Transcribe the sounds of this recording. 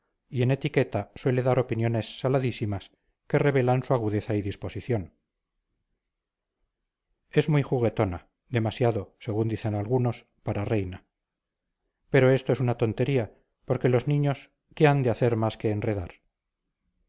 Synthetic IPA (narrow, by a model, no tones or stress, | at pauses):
ie̞ne̞t̪ike̞t̪aswe̞le̞ðaɾo̞pinjo̞ne̞sːalaðisimas | ke̞re̞β̞e̞lansuaɣ̞uðe̞θaiðispo̞siθjo̞n | e̞zmujxuɣe̞t̪o̞na | ðe̞masjaðo̞se̞ɣund̪iθe̞nalɣuno̞s | paɾare̞jna | pe̞ɾo̞e̞st̪oe̞sunat̪o̞nt̪e̞ɾia | po̞ɾke̞lo̞znĩɲo̞s | keand̪eaθe̞ɾmaske̞ːnre̞ð̞aɾ